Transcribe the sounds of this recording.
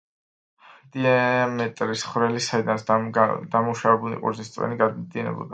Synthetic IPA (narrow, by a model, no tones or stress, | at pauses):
d̪̥iamɛt̪ʼɾisχɾɛlisaid̪ansd̪̥amuʃavɛbulḭqʼṵɾnist̪sʼɛ̰niɡad̪d̪iɛnɛ̰bɔ̰d̪a